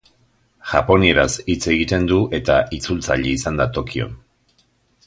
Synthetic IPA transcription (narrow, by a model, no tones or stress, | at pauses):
ʝapo̞nie̞ɾasit͡se̞ɣit̪e̞nd̪uʔe̞t̪aʔit͡sult͡sa̰ʎeisand̪at̪o̞kio̰n